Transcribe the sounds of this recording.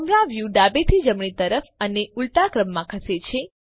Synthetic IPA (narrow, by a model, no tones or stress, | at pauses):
əmɾãʋjuɖabet̪ʰid͡ʒəmɳit̪əɾəfəneulʈ̪akɾəmːãkʰəset͡ʃʰe